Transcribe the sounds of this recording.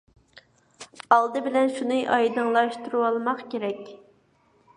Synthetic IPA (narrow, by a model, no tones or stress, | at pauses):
ɑlˠd̪ɨbɪlɛnʃunɨʔɑjd̪ɨŋlˠɑʃt̪uɾuwɑlˠmɑqkʲeɾɛkʲ